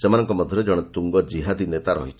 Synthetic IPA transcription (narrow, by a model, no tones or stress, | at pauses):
semanɔŋkɔmɔd̪ʱjɔɾed͡ʒɔɽ̃t̪uŋɡɔd͡ʒiɦad̪inet̪aɾɔ̰ɦit͡ʃʰ